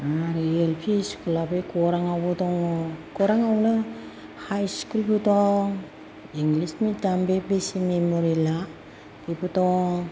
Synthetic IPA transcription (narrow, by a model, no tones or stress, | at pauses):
aɾielpʰiskulapejkoɾaŋawutoŋokoɾaŋawla | hajskulputoŋ | iŋɡlismitambebesimemoɾila | kiputoŋ